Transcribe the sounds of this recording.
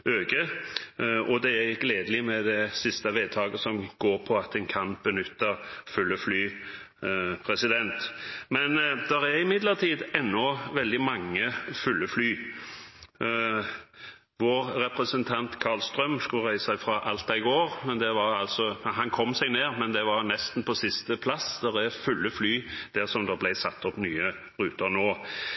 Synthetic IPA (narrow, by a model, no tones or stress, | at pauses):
øːɡə | ɔd̪ɛæɡleːd̪əlɪmɛd̪ɛsɪst̪əʋeːd̪t̪ʰɑːɡəsɔmɡ̥oːɾpʰɔɑt̪ɛnkʰɑnb̥ənʏt̪ːəfʉlːəflyː | pʰɾɛsɪd̪ɛnt̪mɛnd̪ɛɾæɾɪmɪd̪lət̪ʰiːd̪ɛnːɔʋɛld̪ɪmɑŋːəfʉlːəflyː | ʋoːɾɾɛpɾɛsənt̪ʰɑnt̪kʰɑlst̪ɾœmskʉləɾæɪsəsæɪfɾɑʔɑlt̪̚d̪ɛɪɡoːɾmɛnd̪ɛʋɑɾɑlsɔɦɑnkʰɔmːsæɡneːɾmɛnd̪ɛʋɑnɛst̪n̩pʰɔsɪst̪əpʰlɑsd̪̥ɛʁɛfʉlːəflyːd̪̥æʁsɔmd̪oːblæɪsɑt̪ːɔpnyːə | ɾʉːt̪əɾnoː